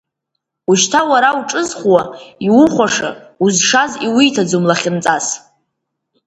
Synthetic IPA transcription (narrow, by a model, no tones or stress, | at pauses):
uʃtʰawaɾauʈ͡ʂʼɨzχʷwaiwʊχʷaʂa̰uzʂaziwijtʰad͡zumlaχʲɪnt͡sʼas